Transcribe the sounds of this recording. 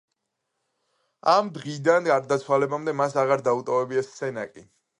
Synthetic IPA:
amd̪ʁid̪anɡaɾd̪at̪sʰwalɛbamd̪ɛmasaʁaɾd̪aut̪ʼɔvɛbiɛssɛna̰kʼi

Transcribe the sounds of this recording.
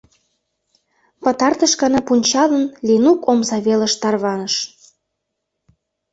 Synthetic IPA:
pə̆t̪ɑrt̪əʃkɑnɑpunʲt͡ɕɑlənlinukomzɑβelə̆ʃt̪ɑrβɑnəʃ

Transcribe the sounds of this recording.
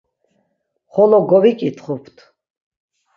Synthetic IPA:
χɔlɔɡɔvikʼit̪ʰχupʰt̪ʰ

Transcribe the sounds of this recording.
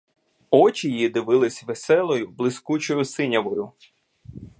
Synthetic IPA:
ɔt͡ʃijid̪ɪʋɪlˠɪsʲʋesɛlˠɔjʊblˠɪskut͡ʃɔjʊsɪnʲɐʋɔjʊ

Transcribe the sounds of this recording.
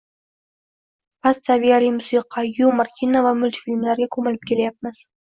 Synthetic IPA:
pʰast̪savijalijmʊsiqʰɑjumaɾkʲʰinavamʊlʲt̪filʲmlaɾɡʲakʰɵmɪlɪp̚kʲʰelajap̚mɪz̥

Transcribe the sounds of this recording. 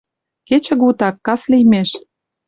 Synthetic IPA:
ket͡ɕə̆ɣut̪ɑkːɑslijmeʃ

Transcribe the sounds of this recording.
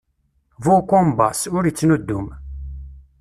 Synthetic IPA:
vukʷːʊmbɑsʊɾit͡sːnud̪ːum

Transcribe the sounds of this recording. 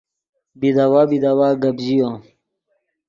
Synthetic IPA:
bid̪awabid̪awaɡɐbd͡ʑijo

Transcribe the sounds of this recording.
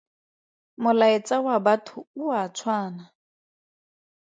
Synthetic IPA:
mʊlaɪt͡sʼawabatʰʊuat͡sʰwaːna

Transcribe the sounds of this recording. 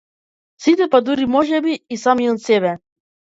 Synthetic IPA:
sit̪ɛpad̪uɾimɔʒɛbiːsamiɔt̪sɛβɛ

